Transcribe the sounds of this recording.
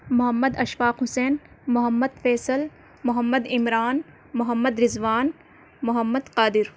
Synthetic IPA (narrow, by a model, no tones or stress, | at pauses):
mʊɦəmːəd̪ɐʃʋaːqɦʊseːn | mʊɦəmːəd̪feːsəl | mʊɦəmːəd̪ɪmɾaːn | mʊɦəmːəd̪ɾɪzʋaːn | mʊɦəmːəd̪qaːd̪ɪɾ